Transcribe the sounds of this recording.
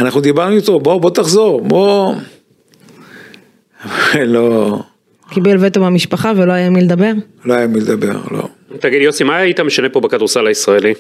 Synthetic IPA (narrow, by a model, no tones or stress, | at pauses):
anaχnud̪ibaʁnujot̪obobo̞t̪aχzoʁbo | valo | kibelvet̪omamiʃpaχaveloajamiled̪abe̞ʁ | loajamild̪abe̞̰ʁlo̞̰ | t̪aɡid̪jo̞simajit̪ame̞ʃane̞po̞bekad̪uʁsalaisʁaeli